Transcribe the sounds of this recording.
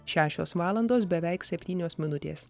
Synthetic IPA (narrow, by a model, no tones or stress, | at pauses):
ʃʲæːʃʲoːsʋɑːlˠɐnd̪oːsbʲɛʋʲɛˑɪksʲɛpʲt̪ʲiːnʲoːsmʲɪnʊt̪ʲḛːs